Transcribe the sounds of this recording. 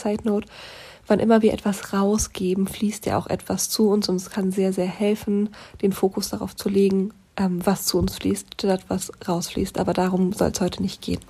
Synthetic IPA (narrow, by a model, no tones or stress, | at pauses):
t͡saɪtnoːt | v̥anʔɪ̰mɐviːɐʔɛtv̥asʁaʊsɡ̥eːbm̩fliːstja̰ːʔa̰ʊxʔɛ̰tv̥ast͡suʊnsʊntɛskʰanzeːɐzeːɐhɛlfn̩d̥eːnfoːkʊsd̥aʁa̰ʊft͡suleːɡŋ̩ | ʔɛːmvast͡suʊnsfliːstd̥ɛɛtv̥asʁaʊsflḭːstʔaːbɐdaːʁʊmz̥ɔ̰lshɔʏtʰənɪçtɡ̥ḛːn